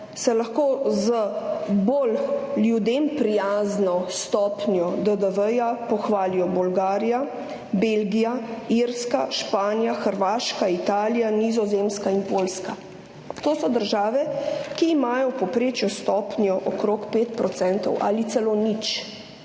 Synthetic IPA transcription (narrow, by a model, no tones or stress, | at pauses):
sɛlɐxkoːzəbolːjud̪empɾijaːznɔst̪ɔpnjɔd̪əd̪əʋəjapɔxʋaːlijɔbɔlɡaːɾija | belɡijaiɾskaʃpaːnjaxəɾʋaːʃkait̪aːlijanizɔzemskainpoːlska | t̪oːsɔd̪əɾʒaːʋɛkiːmaːjɔpɔpɾeːt͡ʃjɔst̪ɔpnjɔʔɔkɾoːkpeːt̪pɾɔt̪sɛnt̪ɔ̰wʔa̰lit̪sɛlonit͡ʃ